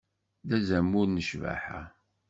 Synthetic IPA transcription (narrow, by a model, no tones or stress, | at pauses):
ðæzæmːuɾnəʃvæ̰ħa̰